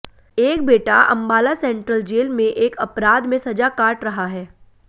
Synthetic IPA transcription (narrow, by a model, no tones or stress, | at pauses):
eːk̚beːʈa̰ʔɐ̰̃mbaːlasɛ̃ːɳʈɾəld͡ʒeːlmẽʔeːkɐpɾaːd̪mẽsɐd͡ʒakaːʈɾɐɦaɦɛː